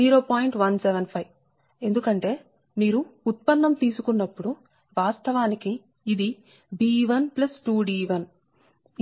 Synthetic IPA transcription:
iːɾo̞ːpaːjiɳʈʋɐnseʋɐnpʰɐj | e̞nd̪ukɐɳʈe̞ː | miːɾuːt̪̚pɐnːɐmt̪iːsukunːɐpːuɽu | ʋaːst̪ʰɐʋaːnikiː | d̪i | biːʋɐnplɐsʈuːɖiːʋɐn

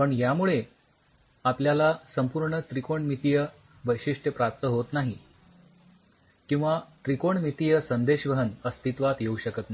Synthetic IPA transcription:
pəɳjamuɭe | apljalasəmpuɾɳət̪ɾikoɳmit̪ijə | ʋəjɕiʂʈʰəpɾap̚t̪əɦot̪naɦi | kĩw̃ʋat̪ɾikoɳmit̪ijəsənd̪eɕʋəɦənəst̪it̪ʋat̪jeuɕəkət̪na

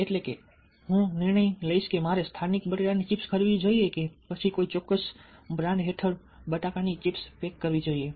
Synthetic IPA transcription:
eʈlekḛ | ɦũnɪɾɳəjləiʃkemaɾest̪ʰanik̚bəʈeɽanit͡ʃɪpskʰəɾʋid͡ʒoiekepət͡ʃʰikoit͡ʃɔkːəsbɾãɳɖɦeʈʰəɽ | bəʈakanit͡ʃipspekːəɾʋid͡ʒoie

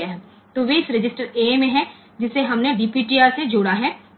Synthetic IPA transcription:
eɦɛ̃ | t̪oʋeːsɾɪd͡ʒɪsʈəɾeːmẽɦɛ̃ | d͡ʒɪsːeɦɐmneɖiːpiːʈiːaːɾsed͡ʒoːɽaɦɛː

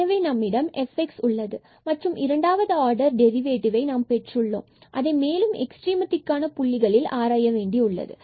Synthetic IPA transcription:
ɐʋɐɪnɐmːɪɽɐmɛfɛksʊɭːɐðɯ | mɐʈrɯmʔɪɾɐɳɖaːʋɐðɯaːɾɖɐɾɖɛɾɪʋeːʈɪʋɐɪnaːmpɛʈrɯɭːo̰ːmʔɐ̰ðɐɪmeːlɯmɛ̰ksʈɾiːmɐt̪ːɪkːaːnɐpʊɭːɪɣɐɭɪlaːɾaːjɐʋeːɳɖiʊɭːɐ̰ðɯ̰

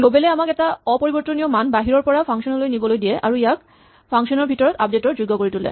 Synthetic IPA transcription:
lobelɛamakɛtaɔpɔɹibɔɹt̪oniɔmanbaɦiɹɔɹpɔɹapʰaŋʃɔnɔlojnibɔlojdijɛʔa̰ɹuijak̚ | pʰaŋʃɔnɔɹbʱitɔɹɔt̪ap̚detɔɹd͡ʑojɡːɔkoɹitulɛ̰

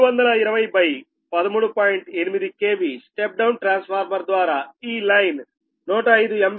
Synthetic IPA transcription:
ʋɐnd̪ɐlɐiɾɐʋɐjbɐj | pɐd̪ɐmuːɽupaːjiɳʈe̞nimid̪ikeːbisʈep̚ɖɐwnʈɾaːnspʰaːɾmɐɾd̪ʋaːɾaːiːlɐjn | nɔːʈɐɐjd̪uem

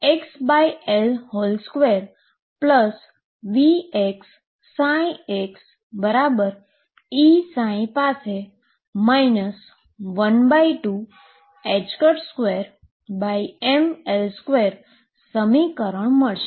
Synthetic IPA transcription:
eksbaielholskʋeɾ | pləs | ʋieksː | ãĩeks | bəɾabəɾ | isãĩpase | mainəs | ʋənbaiʈu | ɛd͡ʒkəʈskʋeɾ | baiemelskʋeɾ | səmikəɾəɳ̃məɭʃe

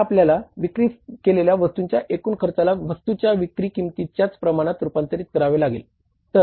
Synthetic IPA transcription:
apljalaʋikɾiːkeleljaʋəst̪uɲt͡ɕjaʔekuːnkʰəɾt͡salaʋəst̪ut͡ɕjaʋikɾikiŋt̪it͡ɕjat͡spɾəmaɽ̃at̪ɾupant̪əɾiːt̪̚kəɾaʋelaɡḛl | t̪ə

